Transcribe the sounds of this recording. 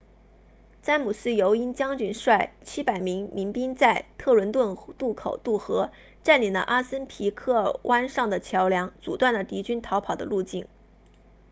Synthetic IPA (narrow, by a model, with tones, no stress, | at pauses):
t͡sa˥nmu˨˩sɹ̩˥˩jo˧˥ʊi˥nt͡ɕjɑ˥ŋt͡ɕy˥˩nʂwa˥˩ɪt͡ɕʰi˥pa˨˩ɪmi˧˥ŋmi˧˥ŋpi˥ŋt͡sa˥˧ɪt̪ʰɤ˥˩lwə˧˥nt̪wə˥˩nt̪u˥˩kʰo˨˩ʊt̪u˥˩xɤ˧˥ | ʈ͡ʂa˥˩nli˨˩nlə̰˧˦ʔa˥sə˥npʰi˧˥kʰɤ˥˩wʔa˥nʂɑ˥˩ŋd̪ə˩t͡ɕʰjɑ˧˥ʊljɑ˧˥ŋt͡su˨˩t̪wa˥˩nd̪ə˩t̪i˧˥t͡ɕy˥nt̪ʰɑ˧˥ʊpʰɑ˨˩ʊd̪ə˦lu˥˧t͡ɕi˥˩n